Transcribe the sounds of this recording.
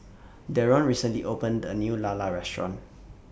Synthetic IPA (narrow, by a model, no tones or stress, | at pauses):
dɛɹɔ̃nɹisə̃nliʔopə̃ndənjulalaɹɛstɹɔ̰̃n